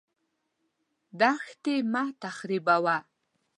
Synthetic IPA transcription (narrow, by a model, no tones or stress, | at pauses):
d̪axt̪emat̪axɾibawa